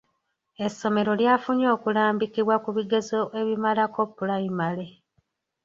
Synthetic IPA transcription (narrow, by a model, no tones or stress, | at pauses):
e̞sːo̞me̞ɾo̞ljafuɲo̞ːkulaːmbikiβwakuβiɡe̞zo̞ʔe̞βimalako̞pːulaimale̞